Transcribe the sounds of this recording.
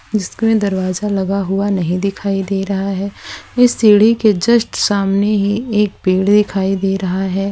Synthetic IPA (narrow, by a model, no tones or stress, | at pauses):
d͡ʒɪskoẽd̪ɐɾʋaːzalɐɡaɦʊanɐɦĩd̪ɪkʰaːid̪eːɾɐɦaɦɛːɪsːiːɽ̤iked͡ʒɐsʈsaːmneɦieːk̚biːɽd̪ɪkʰaːid̪eːɾɐɦaɦɛː